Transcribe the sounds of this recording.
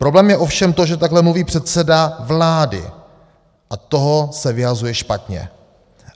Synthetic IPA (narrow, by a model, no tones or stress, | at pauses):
pɾo̞blɛːmjɛʔo̞fʃɛmt̪o̞ʒɛt̪aɡlɛmluviːpr̝̥ɛt̪sɛdavlaːdɪ̰ | ʔat̪o̞ɦosɛvɪɦazujɛʃpat̪ɲɛ̰